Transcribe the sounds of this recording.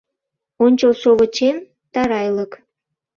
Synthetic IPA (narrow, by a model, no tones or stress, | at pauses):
onʲt͡ɕəlʃoβət͡ɕen | t̪ɑɾɑjlək